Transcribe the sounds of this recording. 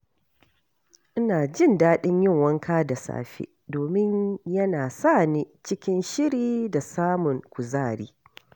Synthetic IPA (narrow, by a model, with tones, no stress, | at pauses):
ʔɪ˦naː˨d͡ʒɪ˦˨ndaː˦ɗɪ˦ɲjɪ˦˨ŋwɐ˦ŋkʰaː˦da˨sa̰ː˨ɸḛ˦doː˨mɪ˦ɲjɐ˦naː˨sa˦˨niː˦t͡ʃɪ˦kʲɪ˦nʃɪ˦ɽiː˦da˨saː˦mʊ˨ŋkʷʊ˨zaː˦˨ɽḭː˦